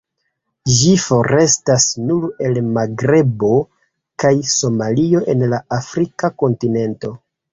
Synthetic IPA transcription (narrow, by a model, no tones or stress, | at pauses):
ʒifo̞ɾe̞stasnule̞lmaɡɾe̞bo̞ | kajso̞malio̞ʔe̞nlaʔafɾikako̞ntine̞nto̞